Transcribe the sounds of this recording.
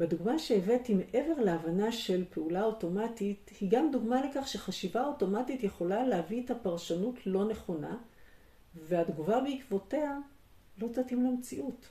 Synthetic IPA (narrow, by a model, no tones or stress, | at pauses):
beduɡmaʃe̞evetime̞ʔe̞ve̞ʁleavanaʃe̞lpe̞ulaoto̞matithiɡamduɡmale̞kaχʃe̞χaʃivao̞to̞matitje̞χo̞lalehaviethapaʁʃanutʰlo̞neχo̞na | veadɡuvabeikvo̞te̞a | lo̞t͡satimlemt͡siʔut